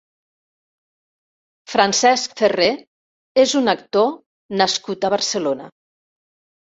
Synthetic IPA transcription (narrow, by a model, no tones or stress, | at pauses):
fɾansɛskfere | ezunəkt̪o | nəskut̪əβəɾsəlonə